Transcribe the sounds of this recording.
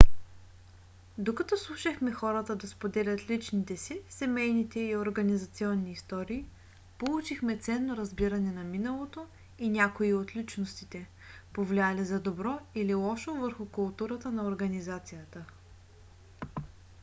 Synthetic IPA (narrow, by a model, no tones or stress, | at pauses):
d̪okɐt̪ɔslˠuʃəxmɛxɔɾət̪əd̪ɐspod̪ɛlʲət̪lit͡ʃnit̪ɛsisɛmɛjnit̪ɛioɾɡɐnizɐt̪siɔnːiːst̪ɔɾiː | polˠut͡ʃixmɛt̪sɛnːoɾɐzbiɾɐnɛnɐminəlˠot̪o | inʲakoiot̪lit͡ʃnost̪it̪ɛ | povlʲializɐd̪obɾɔililˠɔʃovəɾxukʊlˠt̪uɾət̪ənɐoɾɡɐnizat̪sijət̪ə